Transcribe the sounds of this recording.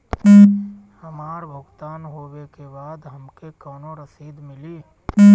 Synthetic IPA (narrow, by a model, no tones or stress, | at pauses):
həmaːɾbʱʊɡt̪aːnɦoːwekebaːd̪ɦəmkekɔːnoɾəsiːd̪mɪliː